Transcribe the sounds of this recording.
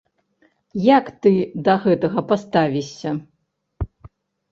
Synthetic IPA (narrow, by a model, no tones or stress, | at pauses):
jakt̪ɨd̪ɐɣɛt̪ɐɣɐpast̪avʲisʲɐ